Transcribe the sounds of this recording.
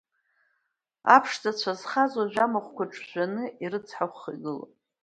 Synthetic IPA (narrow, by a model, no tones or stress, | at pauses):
a̰pʰʂtʰat͡ɕʷʰazχazwaʒᶣamaχʷkʷʰaʈ͡ʂʼʰʒʷᶣanɨʔiɾɨt͡sʰħaχʷχḭɡɨlo̰pʼ